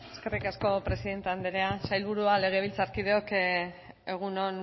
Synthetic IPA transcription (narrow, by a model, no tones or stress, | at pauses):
eske̞rikasko̞pɾe̞siðe̞nt̪eand̪eɾeasajlβuɾuale̞ɣ̞e̞β̞ilt͡saɾkiðeo̞k | e̞ɣ̞uno̞n